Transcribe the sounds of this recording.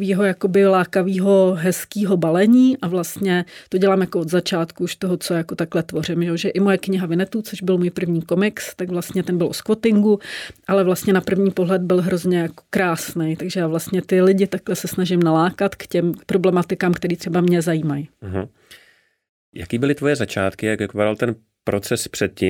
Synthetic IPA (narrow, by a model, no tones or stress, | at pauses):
viːɦo̞jakobɪlaːkaviːɦo̞ɦɛskiːɦo̞balɛɲiːʔavlast̪ɲɛt̪o̞ɟɛlaːmjakood̪zat͡ʃaːt̪kuuʃt̪o̞ɦo̞t͡so̞jako̞t̪aklɛt̪vo̞r̝ɪmʒɛjoʒɛʔɪmo̞jɛkɲɪɦavɪnɛt̪uːt͡so̞ʒbɪlmuːjpr̩vɲiːko̞mɪkst̪aɡvlast̪ɲɛt̪ɛnbɪlʔoskvo̞t̪ɪŋɡuʔalɛvlast̪ɲɛnapr̩vɲiːpo̞ɦlɛd̪̚bɪlɦɾo̞zɲɛjako̥kɾaːsnɛjt̪aɡʒɛjaːvlast̪ɲɛt̪ɪlɪɟɪt̪aklɛsɛsnaʒɪmnalaːkat̪kcɛmpɾo̞blɛmat̪ɪkaːmkt̪ɛɾiːt̪r̥ɛbamɲɛzajiːmaj̩ɦ | ja̰kiːbɪlɪt̪vo̞jɛzat͡ʃaːt̪kɪjakvɪppadalt̪ɛn | pɾot͡sɛspr̥ɛt̪̚cɪ